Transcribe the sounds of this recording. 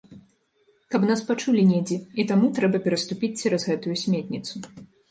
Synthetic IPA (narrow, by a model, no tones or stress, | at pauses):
kɐpnaspat͡ʂulʲinʲed͡zʲiit̪amut̪ɾɛbɐpʲɛɾɐst̪upʲit͡sʲt͡sʲɛɾɐzɣɛt̪ujusʲmʲet̪ʲnʲit̪su